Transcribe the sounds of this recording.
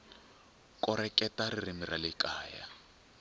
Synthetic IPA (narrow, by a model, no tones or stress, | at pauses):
kʼɔɾɛkɛtaririmiralɪkaːja̰